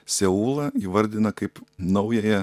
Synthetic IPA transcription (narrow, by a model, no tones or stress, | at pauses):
sʲɛuːlˠɐiːʋɐɾʲd̪ʲɪnɐkɐɪpnɐʊjɛjɛ